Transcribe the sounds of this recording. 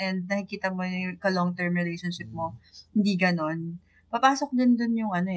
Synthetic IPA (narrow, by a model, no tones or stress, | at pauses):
ʔɛnd̪̚nɐkɪkiːt̪ɐmojʊŋkɐloŋt̪ɛɹmɹɪlejʃonʃɪp̚mo̞hɪnd̪iːɡɐno̞n | pɐpaːsok̚d̪ɪnd̪onjʊŋʔɐno